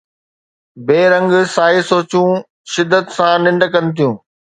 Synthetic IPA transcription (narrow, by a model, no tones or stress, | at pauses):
beːɾə̃ŋɡsaːɦisoːt͡ɕũː | ʃɪd̪ːət̪sãnɪ̃ɳɖkɐnɪ̆t̪ʰijũː